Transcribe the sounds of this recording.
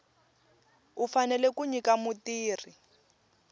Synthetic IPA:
ufanɛlɛkuɲikamutiːri

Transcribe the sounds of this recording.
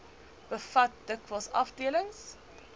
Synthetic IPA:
b̥əfat̚dɪkʰwəlˠsɔ̰fdeːlə̃ŋs

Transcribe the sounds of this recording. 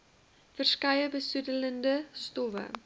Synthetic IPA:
fərskɐjəbəsudələndəstɔvə̰

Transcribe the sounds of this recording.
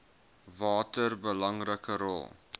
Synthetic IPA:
vɑːtərbəlɐŋrəkəɾɔ̰lˠ

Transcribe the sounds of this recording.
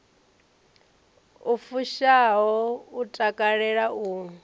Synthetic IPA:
ufuʃaɦɔutʼakʼaɺɛɺauː

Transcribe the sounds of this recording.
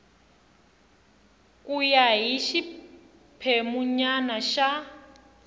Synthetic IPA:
kʼujaɦiʃi | pʰemuɲanaʃa

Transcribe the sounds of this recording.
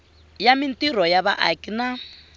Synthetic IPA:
jamintirɔjaβaʔakʼina

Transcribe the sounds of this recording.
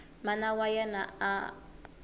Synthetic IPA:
manawajɛnaa̰

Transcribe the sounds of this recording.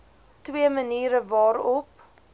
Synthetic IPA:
twiəməniːɾəvɑːɾɔp

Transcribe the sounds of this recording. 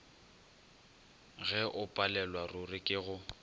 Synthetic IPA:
ɣɛʔʊpʼalɛlwarʊrɪkʼɪɣʊ

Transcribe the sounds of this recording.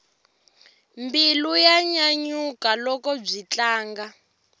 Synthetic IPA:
mbilujaɲaɲukalɔkɔb͡ʐit͡ɬaːŋɡa

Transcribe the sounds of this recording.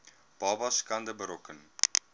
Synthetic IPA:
b̥ɑːbɐskɐndəbəɾɔkən

